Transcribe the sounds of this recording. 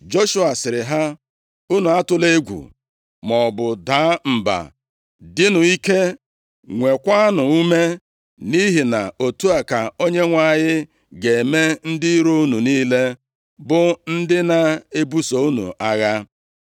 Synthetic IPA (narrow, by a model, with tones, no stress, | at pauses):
d͡ʒo˦ʃu˦a˨sɪ˨ɾɪ˨ɦa˦ | u˦nu˨a˦tʊ˦le˦ɡʷṵ˨ | mɔ˨bʊ˨daː˨˦m̩˨ba̰˨ | dɪ˦nʊ˨i˦ke˦ | ŋʷe˨kʷa˦nʊ˨u˦me˦ | ni˦ɦɪ˨na̰˨o˨tu˦a˨ka˨o˦ɲe˦ŋʷa˨ɲɪ˦ | ɡe˨e˨me˦n̩˦dɪ˦ɾo˦u˦nu˨niː˦le˦ | bʊ˦n̩˦dɪ˦na˨e˦bu˦so˨u˦nṵ˨a˦ɣa˦